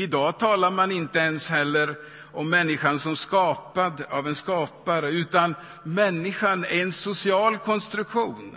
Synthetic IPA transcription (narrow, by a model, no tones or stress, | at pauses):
ɪd̪ɑːt̪ʰɑːlaɾmanɪnt̪əɛnshɛlːəɾ | ɔmːɛnːɪɧansɔmskɑːpad̪avɛnskɑːpaɾəʉ̟ːt̪an | mɛnːɪɧanæɾɛnsʊsɪɑːlkʰɔnst̪ɾɵkɧuːn